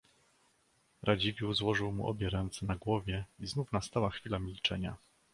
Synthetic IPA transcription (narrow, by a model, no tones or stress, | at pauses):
ɾʔad͡ʑivʲjuzwɔʐɘwmṵʔɔ̰bʲjɛɾɛnt̪sɛnaɡwɔvʲjɛiznufnast̪awaxfʲilamʲilt͡ʂɛɲa̰